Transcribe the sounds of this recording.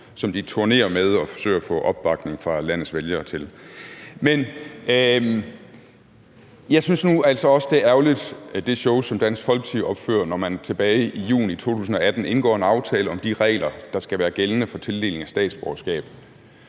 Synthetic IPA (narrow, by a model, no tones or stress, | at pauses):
sɒ̽md̥it͡sʰoɐne̝̰ːɐmeðˠɒ̽fɒ̽sø̰ɪ̰ɐɒfɔ̰̽ʔɒ̽b̥ːɑ̈ɡ̥ne̝ŋfʁɑ̈læn̰ð̩ˠsʋeljɐːt͡sʰe̝l | men | jɑ̈ɪsynsnuæl̰sɒ̽ɒ̽səd̥eɐʔæɐʊlid̥d̥e̝ɕɔʊsɒ̽md̥æn̰sɡ̥fɒ̽l̰ɡ̥ə̥t͡sʰiɒ̽b̥fø̰ɐ̰nɒmænt͡sʰe̝b̥ɛːɪijṵːnit͡sʰo̝̰ːt͡sʰṵːs̬n̩ɒ̽æd̥n̩e̝nɡ̥ɒ̰ːe̝nɑ̈ʊt͡sʰɛːləɒ̽md̥iʁɛ̰ːlɐd̥ɑ̈sɡ̥æʋæːɐɡ̥elənəfɒ̽t͡sʰe̝ld̥e̝̰ːle̝ŋæsd̥ɛ̰ːd̥sb̥ɒɐsɡ̥ɛ̰ːb̥ð